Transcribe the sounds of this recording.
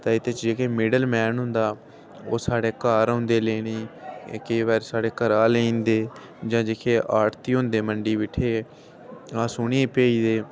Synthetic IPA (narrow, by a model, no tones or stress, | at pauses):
t̪ãːɪt̪ʰeːt͡ʃd͡ʒeːkʰeːmɪɖəlmɛːnɦʊnd̪aː | oːsaːɽeːkaːɾõnd̪eːleːniːkeʋɛːɾsaːɽeːkəɾaːleĩːnd̪eː | d͡ʒãːd͡ʒeːkʰeːʔaːʈt̪iːɦõnd̪eːməɳɖiːʋɪʈʰːeː | aːsʊːneːpeːiːd̪eː